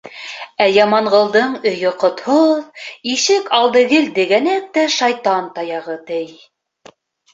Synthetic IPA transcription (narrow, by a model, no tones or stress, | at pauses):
æjɑmɑɴʁɤ̆lˠd̪ɤɴɵ̆jɵqŏt̪hoðiʃɘkɑlˠd̪ɤ̆ɡɘld̪ɘ̆ɡænæk̚t̪æʃɑjt̪ɑnt̪ɑjɑʁɤt̪ɘj